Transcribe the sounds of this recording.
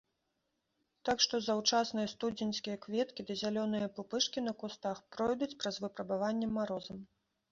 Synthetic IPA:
t̪akʂt̪ɔzɐwt͡ʂasnɨjɐst̪ud͡zʲinʲskʲijɐkvʲɛt̪kʲid̪ɐzʲalʲɔnɨjɐpupɨʂkʲinɐkust̪axpɾɔjd̪ut͡sʲpɾɐzvɨpɾɐbavanʲːɛmːaɾɔzɐm

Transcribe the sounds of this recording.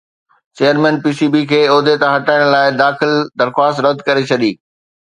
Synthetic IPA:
t͡ɕeːjəɾmɛ̃ːnpiːsiːbikʰeːoːd̪et̪aɦɐʈaːɪɽ̃laːɪd̪aːxɪld̪ɐɾxwaːst̪ɾɐd̪ʱkɐɾet͡ɕʰɐɗiː

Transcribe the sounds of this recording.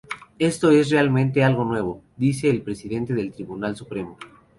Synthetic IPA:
e̞st̪o̞e̞srealmẽnt̪e̞alɣo̞nwe̞β̞o̞ | ðise̞ːlpɾesiðe̞nt̪eðelt̪ɾiβunalsupɾe̞mo̞

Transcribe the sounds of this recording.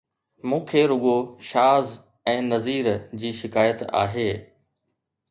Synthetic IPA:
mũːkʰeːɾʊɠoʃaːz | ɛ̃ːnɐziːɾd͡ʑiːʃɪkaːjət̪a̰ːɦeː

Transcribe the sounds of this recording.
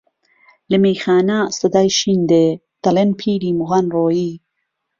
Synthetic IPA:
lɐmiːxaːnaːst̪ɐd̪aːjʃiːnd̪eː | d̪̥ɐlenpʰiːɾiːmuɣanroːjiː

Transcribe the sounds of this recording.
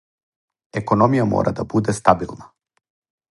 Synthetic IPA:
ɛkɔnɔmijamɔ̰ɾʔa̰d̪abud̪ɛst̪abilˠna

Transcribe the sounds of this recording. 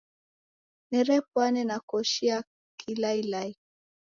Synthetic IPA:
nɛɾɛpwanɛnakɔʃia | kilailai

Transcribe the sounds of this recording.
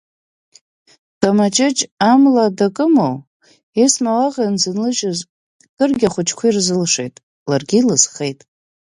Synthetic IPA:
d̥amat͡ʃʼɪt͡ʃʼamladakʼɨmow | esmawaʁʲanzɨnlɨʒʊz | kʼɨrɡʲaχʷʊt͡ʃʰʼkʷʰairzɨlʂejtʼ | larɡʲilɨz̥χejtʼ

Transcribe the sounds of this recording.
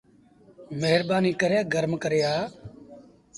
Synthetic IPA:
meɦəɾbaːniːkəɾjaːɡəɾmkəɾjaː

